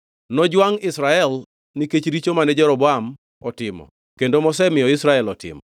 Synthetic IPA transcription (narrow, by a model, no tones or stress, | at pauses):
nɔd͡ʒwaŋɪsɾaɛl | niket͡ʃɾit͡ʃomanɛd͡ʒɛɾɔbɔam | ɔtɪmɔ̰ | kendomɔsɛmɪjɔɪsɾaɛlɔtɪ̰mɔ